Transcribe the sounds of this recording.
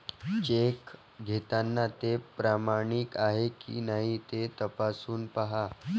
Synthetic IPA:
t͡ɕek | ɡʱet̪anːat̪epɾamaɽ̃ikaɦekḭnaɦit̪et̪əpasuːnpaɦa

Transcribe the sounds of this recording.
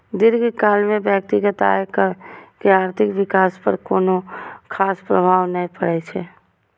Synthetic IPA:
d̪ɪɾɡekaːlmẽbjək̚t̪ɪɡət̪a̰ːekkeaːɾt̪ʰɪkʋɪkaːspəɾkoːnokʰaːspɾəbʱaːʋnəɦĩpəɽɛt͡ʃʰɛː

